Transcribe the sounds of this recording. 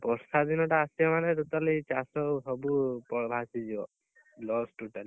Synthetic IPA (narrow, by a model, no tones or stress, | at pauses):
pɔɾsad̪inɔʈaːsijamanɛɾut̪alit͡ʃasɔɦɔbupɔɽbʱasid͡ʒiɔ | lɔsʈuʈali